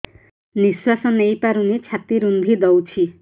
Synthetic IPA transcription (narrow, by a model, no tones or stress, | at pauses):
niswasɔnejpaɾunit͡ʃʰat̪iɾund̪ʱid̪ɔwt͡ʃʰi